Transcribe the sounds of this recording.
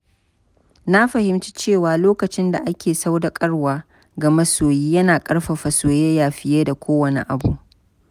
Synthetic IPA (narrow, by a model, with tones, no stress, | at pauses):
na˦ɸɐ˨hɪ˨mt͡ʃi˦t͡ʃeː˦˨waː˨loː˦kɐ˨t͡ʃɪ˦nda˨ʔa˦kʲʰeː˨sa˦wda˨kʼɐ˦ɽwaː˨ | ɡɐ˨mɐ˦soː˨jiː˦jɐ˦naː˨kʼɐ˦ɽɸa˨ɸɐ˨soː˨jeː˦jaː˨ɸɪ˦jeː˦da˨kʷʰoː˦wɐ˨nḛ˦ʔa˨bu˦ʔ